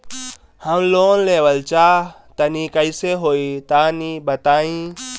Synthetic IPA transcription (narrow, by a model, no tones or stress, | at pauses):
hɐmloːnleːʋəlt͡ʃaː | t̪ɐnikɐiseɦoːit̪aːnibɐt̪aːĩː